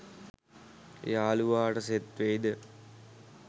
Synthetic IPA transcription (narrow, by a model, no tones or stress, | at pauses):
ḛaːluʋaːʈəset̪ʋejd̪ə